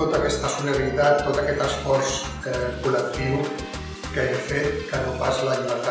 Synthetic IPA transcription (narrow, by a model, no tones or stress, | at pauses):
ot̪əkɛst̪əsuləɾɾit̪at̪ːot̪əkɛt̪əsfɔɾs | ɛkulək̚t̪iw | kəeɣifet̪̚kənopasləʎiβ̞əɾt̪a